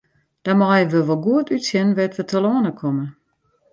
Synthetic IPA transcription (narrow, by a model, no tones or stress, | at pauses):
d̥amɔjəʋəʋɔlˠɡuətytsjɪnʋɛtʋətʰəlˠɔənəkʰomə